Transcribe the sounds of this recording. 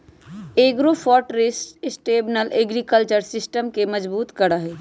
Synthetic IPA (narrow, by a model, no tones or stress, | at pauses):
eːɡɾofʰɔːʈɾɪssʈeːbnəlʔeːɡɾikəlt͡ʃəɾsɪsʈəmkemɐd͡ʒbuːt̪kɐɾaɦɛː